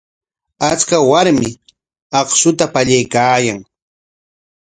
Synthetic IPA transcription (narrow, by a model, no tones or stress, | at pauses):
at͡ʃkawaɾmɪ | ɑχsʊt̪apaʎajkaːjaŋ